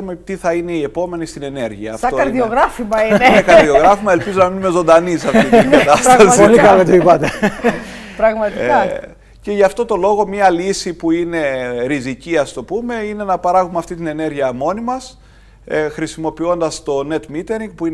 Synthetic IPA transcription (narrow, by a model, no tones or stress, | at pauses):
ɾumet̪iθɐineie̞po̞me̞nist̪ine̞ne̞ɾʝiɐːftɐokɐɾðioɣɾɐfimɐiinekɐɾðio̞ɣɾɐfimɐe̞lpizonɐminume̞zo̞nd̪ɐnisɐft̪iiɡɐɐt̪ɐsɐsɐtlikɐlet̪oipɐt̪e | pɾɐɣmɐt̪iɐ | ce̞ʝɐft̪o̞t̪o̞lo̞ɣo̞mɲɐlisipuine̞ɾiziciɐst̪o̞pume̞ine̞nɐpɐɾɐɣumeɐft̪it̪ine̞ne̞ɾʝiɐmo̞nimɐs | xɾisimo̞pio̞nd̪ɐst̪o̞ne̞t̪mit̪e̞ɾiŋɡ̚puin